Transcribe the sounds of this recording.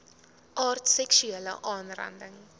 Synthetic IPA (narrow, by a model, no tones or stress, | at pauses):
ʔɑːrtsɛksyelə̰ʔɑːnrɐ̰ndəŋ